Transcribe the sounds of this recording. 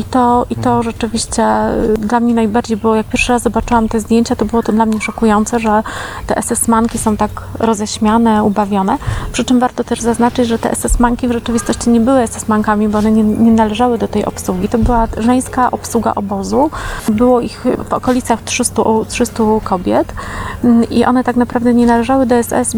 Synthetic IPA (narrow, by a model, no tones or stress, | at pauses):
it̪ɔit̪ɔʐɛt͡ʂɘvʲiɕt͡ɕɛd̪lamɲɛnajbaɾd͡ʑejbɘwɔjak̚pʲjɛɾfʂɘɾazzɔbat͡ʂɘwamt̪ɛzd̪jeɲt͡ɕat̪ɔbɘwɔt̪ɔd̪lamɲɛʂɔkujɔnt̪sɛʐɛt̪ɛʔɛsɛsmaŋkʲisɔ̃w̃t̪akɾɔzɛɕmʲanɛubavʲjɔnɛpʂɘt͡ʂɘmvaɾt̪ɔt̪ɛʐzaznat͡ʂɘd͡ʑʐɛt̪ɛ̰ʔɛ̰sɛsmaŋkʲivʐɛt͡ʂɘvʲist̪ɔɕt͡ɕiɲɛbɘwɘɛsɛsmaŋkamʲibɔɔnɛɲɛɲɛnalɛʐawɘd̪ɔt̪ɛjʔɔ̰pswuɡʲit̪ɔbɘwaʐɛj̃skaʔɔpswuɡa̰ʔɔbɔzubɘwɔixvɔkɔlʲit̪saxtʂɘst̪utʂɘst̪ukʰɔbʲjɛt̪ | ʔiʔɔ̰nɛt̪aknapɾavd̪ɛɲɛnalɛʐawɘd̪ɔɛsɛ̰s